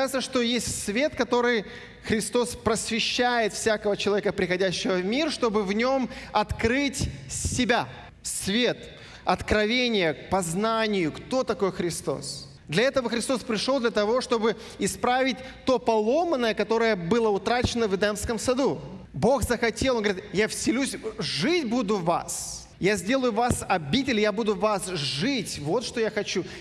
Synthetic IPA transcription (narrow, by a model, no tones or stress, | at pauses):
ɪt̪səʂt̪o̞jesʲtʲsvʲe̞t̪kɐt̪o̞ɾɨj | xɾʲɪst̪o̞spɾəsvʲɪɕːæjɪt̪fsʲakəvət͡ɕɪlˠɐvʲekəpɾʲɪxɐdʲæɕːɪvəvmʲirʂt̪o̞bɨvnʲo̞mɐt̪kɾɨtʲsʲɪbʲa | svʲe̞t̪ | ɐt̪kɾɐvʲenʲɪjək̚pɐznanʲɪjʊkt̪o̞t̪ɐko̞jxɾʲɪst̪o̞̰s | d̪lʲɐɛt̪əvəxɾʲɪst̪o̞spɾʲɪʂod̪lʲɐt̪ɐvo̞ʂt̪o̞bɨ | ɪspɾavʲɪt̚ʲt̪o̞pɐlˠo̞mənːəjəkɐt̪o̞ɾəjəbɨlˠəʊt̪ɾat͡ɕɪnəvɨd̪ɛmskəmsɐd̪u | bo̞xzəxɐtʲelˠonɡvɾit̪jafsʲɪlʲusʲʐɨtʲbud̪ʊva̰s | jazʲdʲe̞lˠəjʊvasɐbʲitʲɪlʲjabud̪ʊvasʐɨtʲvo̞t̪ʂt̪o̞jaxɐt͡ɕu